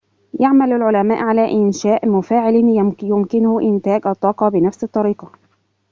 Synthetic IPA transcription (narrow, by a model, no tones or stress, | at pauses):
jaʕmalalʕʊlamaːʔʕalaːʔɪnʃaːʔmʊfaːʕɪljʊmkɪnʊʔɪnt̪aːɡʔɑt̪ˤːɑːqɑːbɪnafsɑt̪ˤːɑɾiːqɑ